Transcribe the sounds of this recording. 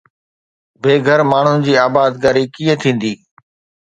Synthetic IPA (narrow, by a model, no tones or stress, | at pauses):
beːɡʱəɾmaːɳ̤ʊnɪ̆d͡ʑiːaːbaːd̪kaːɾikiːə̃t̪ʰĩːn̆d̪iː